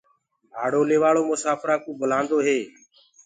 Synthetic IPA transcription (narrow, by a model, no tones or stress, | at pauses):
aːɽoːleːʋaːɭoːmʊsaːfɾaːkũːbəlãːnd̪oːɦeː